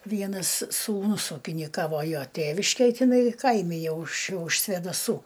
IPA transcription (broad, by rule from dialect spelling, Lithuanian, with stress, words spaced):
ˈʋʲiɛnɐs suːˈnʊs uːkʲɪnʲɪˈkɑːʋoː ˈjoː ˈtʲeːʋʲɪʃʲkʲeːj tʲɪˈnɐɪ ˈkɐɪmʲɪ ˈjɛʊ ʊʃ ʊʃ sʲʋʲeːdɐˈsuː